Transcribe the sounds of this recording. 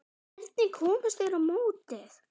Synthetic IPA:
ɛɾt̪nɪkʰɔːmʏst̪ejɾawmoːwt̪ɪθ

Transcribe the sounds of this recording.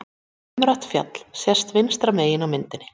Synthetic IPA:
mɾaht̪fja̰t̪l̥sjɛst̪vɪnst̪ɾameːjɪnawmɪnt̪ɪnːɪ

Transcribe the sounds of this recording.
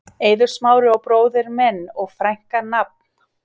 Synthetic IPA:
eːjðʏɾ̥smaːwɾɪɔɣpɾoːwðɪɾmɛnːɔɣfɾajŋ̥kanap̚n̥

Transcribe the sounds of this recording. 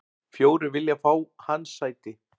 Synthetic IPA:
fjoːwɾɪvɪljafaːwhanːsːaːjt̪ɪ

